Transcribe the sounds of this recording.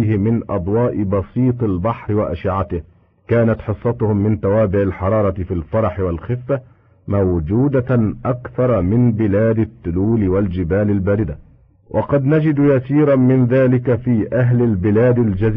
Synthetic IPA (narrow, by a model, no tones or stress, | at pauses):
hɪmɪnʔɑ̰d̪ˤwɑːʔɪbɑsiːt̪ˤalbɑħɾɪwaʔa̰ʃɪʕat̪ɪh | kaːnat̪ħɨsˤːɑt̪ʊhʊmːɪnt̪awaːbɪʕalħɑɾˤɑːɾˤɑt̪ɪfiːlfɑɾˤɑħɪwalxɪfːa | mawd͡ʒuːd̪aʔakθɑɾˤɑmɪnbɪlaːd̪ɪt̪ːʊluːlɪwald͡ʒɪbaːlɪlbaːɾɪd̪a | wʔɑqɑd̪nad͡ʒɪd̪jasiːɾˤɑnmɪnðaːlɪkafiːʔaɦlɪlbɪlaːd̪ɪld͡ʒazː